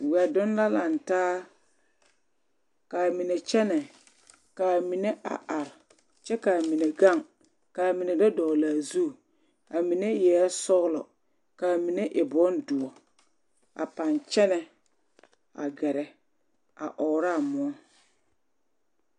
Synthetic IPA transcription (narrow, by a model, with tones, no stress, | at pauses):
wɛ˨dʊ˦nla˦la˨ntaː˦ | kaː˨mi˨ne˨t͡ʃɛ˦nɛ˨ | ka˨mi˨ne˦ʔa̰˨ʔa˨ɾ | t͡ʃɛ˦ka˨mi˨ne˨ɡa˦˨ŋ | kaː˨mi˨ne˨dɔ˦dɔ˨laː˨zu˦˨ | a˨mi˨ne˦jɛː˨˦sɔ˦ɣlɔ̰˨ | kaː˨mi˨ne˦ʔɪ˨bɔ˦ndʊ˨ɔ˨ | a̰˨pa˨nt͡ʃɛ˦nɛ˨ | a̰˨ɡɛ˨ɾɛ˨ | a̰˨ʔɔː˨ɾa˦˨mʊ˨ɔ˦